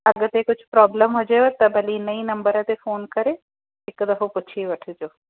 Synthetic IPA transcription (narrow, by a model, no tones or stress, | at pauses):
ɐɡəɾt̪eːkʊt͡ʃʰpɾɔːbləmɦod͡ʒaet̪ɐbʱɐlinɐinɐ̃mbəɾãt̪efoːnkɐɾe | ɪkd̪ɐfopʊt͡ʃʰiʋɐʈʰːd͡ʒoː